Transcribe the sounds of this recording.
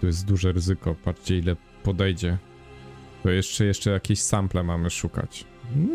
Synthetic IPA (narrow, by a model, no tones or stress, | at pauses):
t̪ɔjɛs̬t̪̚d̪uʐɛɾɘzɘkɔpat͡ʂt͡ɕɛilɛ | pɔd̪ɛjd͡ʑɛ | t̪ɔjɛʂt͡ʂɛjɛʂt͡ʂɛjakʲeɕsamplɛmamɘʂuka̰t͡ɕ̩